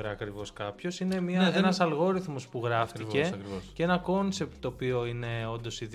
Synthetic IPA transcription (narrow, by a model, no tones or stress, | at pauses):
ɾɐkɾivo̞skɐpço̞sine̞mɲɐenɐsɐlɣo̞ɾiθmospuɣɾɐft̪ice̞ɾocee̞nɐko̞nse̞p̚t̪̚t̪oːpio̞ine̞o̞nd̪o̞sið